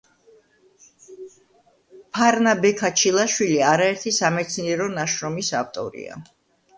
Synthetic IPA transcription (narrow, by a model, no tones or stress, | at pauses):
pʰaɾnabɛkʰat͡ʃʰilˠaʃwiliaɾaɛɾt̪ʰisamɛt̪sʰniɛɾɔnaʃɾɔmisaft̪ʼɔ̰ɾḭa̰